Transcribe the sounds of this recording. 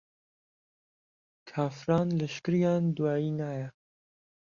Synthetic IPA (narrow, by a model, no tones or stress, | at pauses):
kʰɑːfɾɑːnləʃkɨɾijɑːnd̪uwɑːiːnaːjɛ